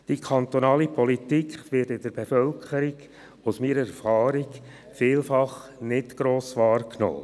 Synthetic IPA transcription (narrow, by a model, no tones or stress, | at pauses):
d̥ikʰɑnt̪ɔnɑːlipʰɔlit̪iːkχʋɪtɪdəɾbefœlkχəɾiɡ | ʊsmiːɾəɛɾfɑːɾiɡ | fiːlfɑχnɪtɡ̥ɾoːsʋɑːɾkno̰ː